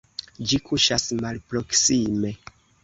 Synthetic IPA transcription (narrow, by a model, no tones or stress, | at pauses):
d͡ʒikʰuʃasmalpɾo̞ksime̞